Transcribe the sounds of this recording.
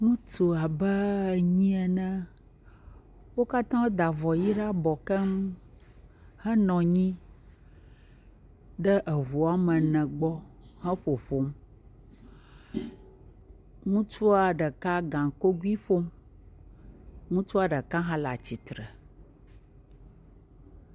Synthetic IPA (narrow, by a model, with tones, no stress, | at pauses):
ŋũ˦t̪o˨a˨bə˦˨ɲĩ˦ɛ˨nɛ̃˦ | wo˦ka˦t̪ã˦wo˦d̪a˨vɔ˨ji˦ɖa˦bɔ˨kə˦m | hə˦nɔ̃˨ɲĩ˦ | ɖə˦ʔə˨ɦu˨a˦mə̃˨nɛ̃˨ɡ͡bɔ˦hɛ̃˦ɸo˨ɸo˦m | ŋũ˦t͡ʃu˦a˨ɖə˨ka˦ɡã˨ŋ˨ko˦ɡu˦i˦ɸo˦m | ŋũ˦t͡ʃu˦a˨ɖə˨kã˦ɦã˦la̰˨t͡ɕi˨t̪ɾə˨